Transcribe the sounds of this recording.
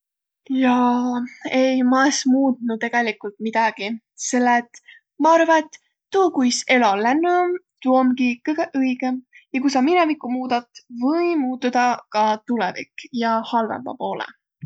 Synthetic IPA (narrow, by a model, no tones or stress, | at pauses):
jɑ | ejmɑesmuːt̪nut̪ːe̞ɡ̥elikˑult̪̚mid̪̥ɑɡ̥i | se̞lːet̪ːˑ | mɑɑɾvɑet̪ː | uːkujse̞lolænːu | t̪uomɡikɨjɡ̥eʔɤiɡ̥ejɑkusɑminɛvikːˑumuːd̪ɑt̪ˑvɤjmuːt̪ːud̪̥ɑkɑt̪ulɛ̰vḭkjɑhɑlvḛmbɑ̰po̞ːlḛ